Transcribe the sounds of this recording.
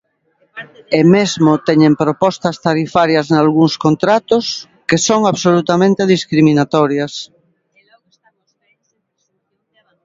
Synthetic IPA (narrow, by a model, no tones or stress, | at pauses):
emezmot̪ɛɲẽmpɾopɔst̪ɐst̪aɾifaɾjaznalɣuŋskont̪ɾat̪ʊs | kesoŋaβsolut̪amẽnt̪eðiskɾiminat̪ɔɾjas